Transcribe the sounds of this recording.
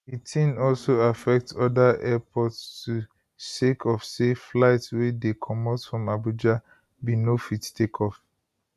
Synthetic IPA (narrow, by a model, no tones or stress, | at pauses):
itʰĩnɔlsoafɛk̚tsɔdaʔɛpʰɔtstu | sekʰɔfseflaɪtswedekʰɔmɔtfɹɔ̃mabud͡ʒa | binofittʰekʰɔf